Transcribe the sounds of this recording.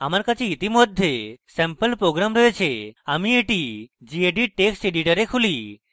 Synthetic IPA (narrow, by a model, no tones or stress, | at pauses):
amaɾkat͡ʃʰeit̪imɔd̪ʱjesɛmpəlpɾoɡɾamɾɔɦet͡ʃʰeamieʈid͡ʒieɖiʈeksʈeɖiʈəɾekʰuli